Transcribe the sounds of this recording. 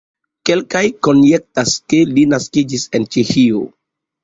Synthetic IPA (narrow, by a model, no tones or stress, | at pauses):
ke̞lkajko̞njek̚taske̞linaskid͡ʒise̞nt͡ʃehio̰